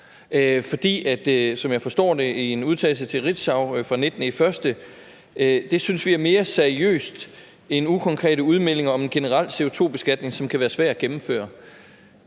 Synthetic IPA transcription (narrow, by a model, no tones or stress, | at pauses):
fɒ̽d̥ḭːæd̥sɒ̽mjɑ̈ɪfɒ̽sd̥ɔ̰ːd̥e̝ienuð̞ˠt͡sʰɛ̰ːl̩sət͡sʰe̝lʁid̥sɑ̈ʊfʁɑ̈ned̥nəifɶɐsd̥ə | d̥e̝synsʋiæɐme̝ːɐseɐiø̰ːsd̥ | e̝nukʰɒ̽ŋkʰʁɛ̰ːɾəuð̞ˠmel̰e̝ŋɐɒ̽me̝nɡ̥e̝nəʁɑl̰se̝o̝t͡sʰo̝̰ːb̥e̝sɡ̥æd̥ne̝ŋsɒ̽mkʰæʋæːɐsʋæɐ̰d̥æɡ̥emm̩fø̰ːɐ